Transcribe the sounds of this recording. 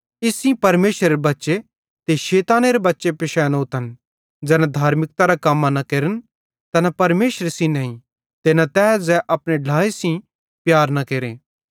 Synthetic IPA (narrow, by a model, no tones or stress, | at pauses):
ɪsĩpɐɾmeːʃɾeɾebɐtːʃe | t̪eʃeːt̪aːneɾebɐtːʃepɪʃɛːnoːt̪ɐn | d͡ʒɛːnad̪ʱaːɾmɪk̚t̪aɾakɐmːanɐkeːɾən | t̪ɐnapɐɾmeːʃɾesĩnɐ̃ːĩ | t̪enat̪ɛːd͡zɛʔɐpɽ̃eɖʱaːesĩ | pjaːɾnɐkeːɾẽː